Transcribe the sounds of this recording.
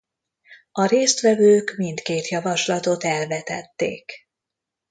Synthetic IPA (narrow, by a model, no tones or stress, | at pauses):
ɒɾeːst̪ʋɛvøːkmint̪keːt̪jɒvɒʃlɒt̪o̞t̪ɛlvɛt̪ɛ̰t̪ːḛːk